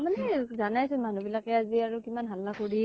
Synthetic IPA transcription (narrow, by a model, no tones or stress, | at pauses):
manɛzanajsɔnmanubilakɛaziaɹukimanɦalːakoɹi